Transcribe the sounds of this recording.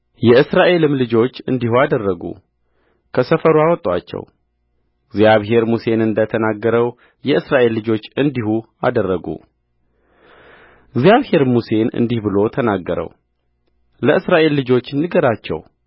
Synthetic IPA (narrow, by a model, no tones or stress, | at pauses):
jɛɨsɾaʔe̞lɨmlɨd͡ʒo̞t͡ʃːɨ̰nd̪ihuad̪ərːəɡṵ | kʰəsəfəɾuawɔt̪ʼːwa̰t͡ʃːɛ̰w | ɨɡzijaβɦe̞ɾmuse̞nɨnd̪ət̪ʰənaɡːəɾəw | jɛɨsɾaʔe̞lːɨd͡ʒo̞t͡ʃːɨnd̪ihu | a̰d̪ərːəɡṵ | ɨɡzijaβhe̞ɾmuse̞nɨ̰nd̪ihbɨlo̞t̪ʰənaɡːəɾə̰w | ləɨsɾaʔe̞lːɨd͡ʒo̞t͡ʃːnːɨɡəɾat͡ʃːɛ̰w